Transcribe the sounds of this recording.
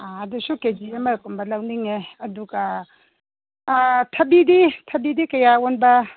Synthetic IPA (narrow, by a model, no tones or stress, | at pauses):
aɐdusuked͡ʒiemɐɾkumbɐlɐwniŋeɐduɡɐ | tʰɐbiditʰɐbidikɐjaonbɐ